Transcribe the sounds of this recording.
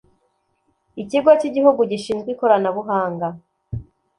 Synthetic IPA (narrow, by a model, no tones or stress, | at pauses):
iciɡwaciɟihuɡuɟiʃiːnzɡwiko̞ɾanaβuɦaːŋɡa